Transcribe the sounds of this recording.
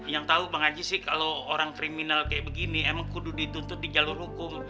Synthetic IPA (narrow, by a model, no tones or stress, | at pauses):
jaŋt̪aubaŋad͡ʒisɪhkalooɾaŋkɾiminalkajaʔbəɡiniemaŋkududit̪unt̪ʊt̪̚did͡ʒalʊrhukʊm